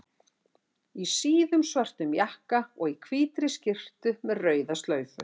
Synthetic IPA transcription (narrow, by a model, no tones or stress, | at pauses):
isiːðʏmsvar̥t̪ʏmjahkaɔɣikʰviːt̪ɾɪscɪr̥t̪ʏmɛðrœːɥðast̪lœːɥfʏ̰